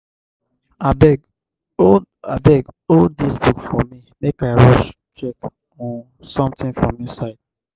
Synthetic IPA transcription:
abɛɡ | oabɛɡoddisbukfɔmimekaɪɹɔʃ | t͡ʃɛk | ɔ̃n | sɔ̃mtĩnfɹɔ̰̃mːisaɪd̥̚

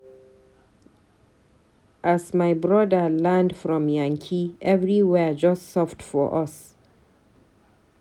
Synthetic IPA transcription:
ʔasmaɪbɹɔdəlɛndfɹɔ̃mjãŋkʰiʔɛvɹiwɛd͡ʒʌstsɔftfɔ̰ʔʌs

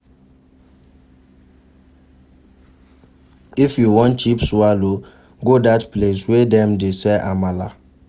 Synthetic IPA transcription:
ifjuwɔ̃nt͡ʃipsualo | ɡodatpleswedɛmdesɛʔamala̰

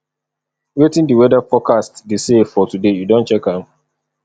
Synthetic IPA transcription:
wetĩndiwɛdafɔkastdesefɔtudejudõntt͡ʃɛkãm

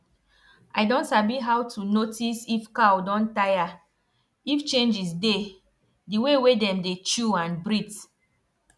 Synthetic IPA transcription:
ajdõntabiɦawtunotisifkawdɔ̃ntaja | ift͡ʃẽnd͡ʒisde | diwewedɛ̃mdet͡ʃuãnbɹit

